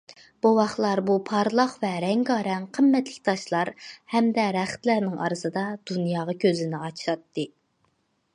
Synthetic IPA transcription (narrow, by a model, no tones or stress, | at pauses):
b̥owɑχlˠɑɾbupʰɑɾlˠɑqvɛɾɛŋɡɑɾɛŋqʰəmːɛt̪lɪ̥k̚ʲt̪ʰɑʃlˠɑɾhɛmd̪ɛɾæχt̪læɾnɪŋʔɑ̰ɾɨsɨd̪ɑd̪̥unjɑːʁɑkʲʰøzɪnɪɑt͡ʃʰiɑt̪ːɨ